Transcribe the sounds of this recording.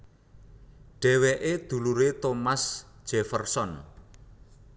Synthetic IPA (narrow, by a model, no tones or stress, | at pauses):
ɖ̥ɛ̤weʔed̪̥ṳluɾet̪omasʒ̥ɛfərsɔn